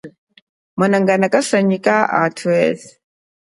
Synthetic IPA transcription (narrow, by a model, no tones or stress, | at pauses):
manaŋɡanakʼasaɲikʼaʔa̰tʰuwɛs